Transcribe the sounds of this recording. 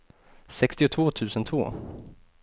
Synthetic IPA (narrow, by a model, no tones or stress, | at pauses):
sɛkst̪ɪʊt̪ʰvoːt̪ʰʉ̟ːsənt̪ʰvo̰ː